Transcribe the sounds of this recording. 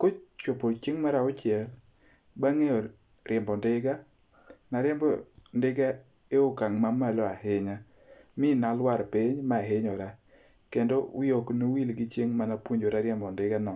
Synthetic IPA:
kot͡ʃopot͡ʃeŋmaɾaɔt͡ʃɪɛl | baŋeɔ | ɾɪmbɔndɪɡa | naɾjɛmbɔndɪɡa | eokaŋmamalɔahɪɲa | mɪnalwaɾpɪɲmaːɦeɲɔɾa | kendowjoknowilɡɪt͡ʃeŋmanapwoɲd͡ʒoɾaɾjɛmbɔndɪɡanɔ

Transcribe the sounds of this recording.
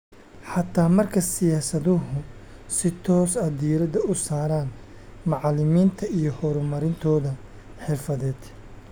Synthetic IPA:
ħɑt̪ʰaːmɐrkʰɐsɪjaːsɐðʊɦʊ | sɪt̪ʰɔːsɛd̪iːɾɐd̪ɐʊsaːɾaːn | mɑʕɑlɪmiːnt̪ʰɐijɞhɔɾʊmɐɾɪnt̪ʰɔːðɐ | ħɪrfɐðɛːd̪̥

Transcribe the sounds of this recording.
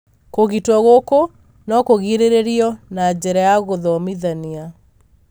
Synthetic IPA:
koɣitwɔɣoko | nɔkoɣiɾeɾeɾiɔnad͡ʑɛɾajaɣoðɔmiðania

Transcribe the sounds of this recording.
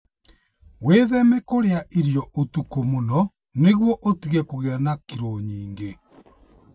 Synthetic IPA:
weðɛmɛkoɾeaʔiɾjɔʔotukomonɔ | neɣwɔʔotiɣɛkuɣɛnakiɾoɲiːŋɡe

